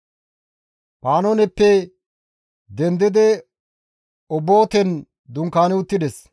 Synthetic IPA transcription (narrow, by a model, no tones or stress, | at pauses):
paːnɔnɛpːɛ | d̪ɛnd̪ɪd̪ɛ | ɔbːoːt̪ɛn | d̪ʊŋkːaːnɛʊt̪ːɪd̪ɛs